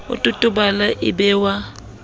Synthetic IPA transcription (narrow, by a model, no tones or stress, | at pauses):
ʊ̰tʼʊtʼʊbalaʔɪbɛwa